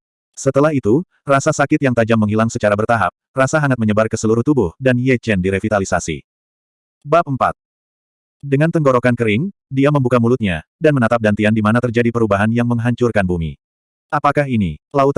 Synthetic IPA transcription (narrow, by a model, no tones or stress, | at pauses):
sət̪əlaɦit̪u | rasasakɪt̪jaŋt̪ad͡ʒamːəŋɦilaŋsət͡ʃaɾabərt̪aɦa̰p̚rasaɦaŋat̪̚məɲəbarkəsəluɾʊht̪ubʊhdanjɛt͡ʃɛndiɾəfit̪alisasḭ | bap̚əmpa̰t̪̚ | dəŋant̪əŋɡoɾokankəɾɪŋdiaməmbukamulʊt̪̚ɲadanmənat̪ap̚dant̪iandimanat̪ərd͡ʒadipəɾubaɦanjaŋməŋɦaɲt͡ʃʊrkanbumḭ | ʔapakaɦinilaut̪